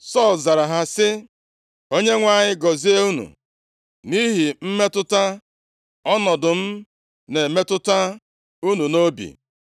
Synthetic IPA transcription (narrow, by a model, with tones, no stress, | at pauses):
sɔ˦˨lza˨ɾa˨ɦa˦sɪ˦ | o˦ɲe˦ŋʷa˦˨ɲɪ˦ɡɔ˨zi˦e˦u˦nṵ˨ | ni˦ɦi˨m̩˦me˦tʊ˦ta˦ | ɔ˦nɔ˨dʊ˨m̩˦ | ne˨me˦tʊ˦ta˦ | u˦nu˨no˦bḭ˨